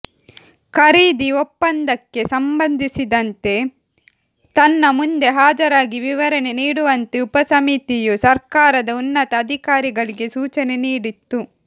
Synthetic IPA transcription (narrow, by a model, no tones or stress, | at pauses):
kʰɐɾiːd̪iopːɐnd̪ɐkːe̞sɐmbɐnd̪ʱisid̪ɐnt̪e̞ | t̪ɐnːɐmund̪e̞ɦaːd͡ʒɐɾaːɡiʋiʋɐɾɐne̞niːɽuʋɐnt̪eupɐsɐmit̪ijusɐɾkaːɾɐd̪ɐunːɐt̪ɐːd̪ʱikaːɾiɡɐɭiɡe̞suːt͡ʃɐne̞niːɽit̪ːu